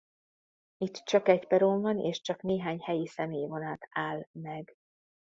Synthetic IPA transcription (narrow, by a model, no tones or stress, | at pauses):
it̪ːt͡ʃɒkɛcpɛɾoːmvɒnḛːʃt͡ʃɒkneːɦaːɲhɛjisɛmeːjvo̞naːt̪aːlmɛɡ